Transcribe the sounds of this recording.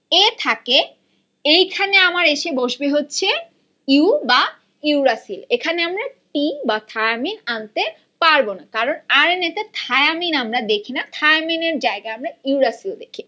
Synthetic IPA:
et̪ʰake | ejkʰaneamaɾeʃeboʃbeɦotːɕʰe | iuba | iuɾasilekʰaneamɾaʈibat̪ʰajaminant̪e | paɾbonakaɾonaɾenɛt̪at̪ʰajaminamɾad̪ekʰinat̪ʰajmineɾd͡ʑaeɡaamɾaiuɾasild̪ekʰi

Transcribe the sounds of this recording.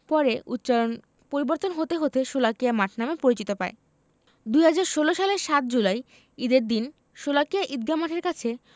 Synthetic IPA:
pɔɾeʔut̪ːt͡ɕalon | poɾiboɾt̪onɦot̪eɦot̪eʃolakijamaʈʰnamepoɾit͡ɕit̪opae | d̪ujɦad͡ʑaɾʃoloʃaleɾʃat̪̚d͡ʑulaj | id̪eɾd̪in | ʃolakijaʔid̪̚ɡamaʈʰeɾkat͡ɕʰe

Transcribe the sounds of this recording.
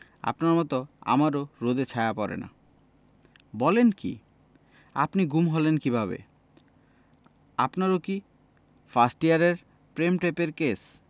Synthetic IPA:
a̰pnaɾmɔt̪oa̰maɾoɾod̪et͡ɕʰaeapɔɾḛna̰ | bɔlenkḭ | a̰pniɡumɦolenkibʱaβḛ | apnaɾoki | fasʈiaɾeɾ | pɾemʈepeɾkes

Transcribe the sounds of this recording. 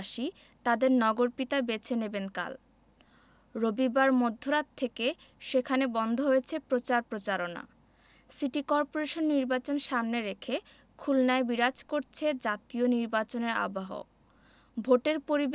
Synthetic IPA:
ʃi | t̪ad̪eɾnɔɡoɾpit̪abet͡ɕʰenebenka̰l | ɾobibaɾmod̪ʱːoɾat̪ʰːeke | ʃekʰanebɔnd̪ʱoɦojet͡ɕʰepɾot͡ɕaɾpɾot͡ɕaɾona̰ | siʈikɔɾpoɾeʃonːiɾbat͡ɕonʃamneɾekʰe | kʰulnaebiɾad͡ʑkoɾt͡ɕʰed͡ʑat̪ioniɾbat͡ɕoneɾa̰baɦo̰ | bʱoʈeɾpoɾib

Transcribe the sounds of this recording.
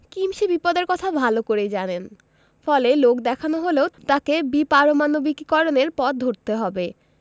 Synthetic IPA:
kimʃibipɔd̪eɾkɔt̪ʰabʱalokoɾed͡ʑanen | fɔlelokd̪ɛkʰanoɦoleot̪akebipaɾomanobikkɔɾoneɾpɔt̪̚d̪ʱoɾt̪eɦɔbe

